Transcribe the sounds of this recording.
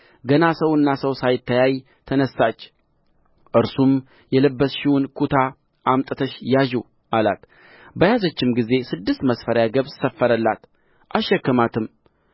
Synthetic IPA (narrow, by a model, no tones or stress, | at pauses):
ɡənasəwɨnːasəwsajɪt̪ːəjaj | t̪ʰənəsːat͡ʃː | ʔɨɾsum | jɛləbːəsʃɪwunkʰut̪ʰa | ʔamt̪ʼət̪ʰəʃjaʒu | ʔala̰t̪ | bəjazət͡ʃːɪmɡize̞sɨd̪ːɨst̪məsfəɾjaɡəβsəfːəɾəlːat̪ | ʔaʃːɛkːəmat̪ʰɨm